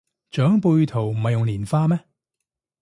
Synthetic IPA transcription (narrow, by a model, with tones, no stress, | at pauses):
t͡ʃœː˨˥ŋpuː˧jt̪ʰo˨˩wm̩˨˩hɐ˨jːʊ˨ŋliː˨˩nfaː˧mɛ˥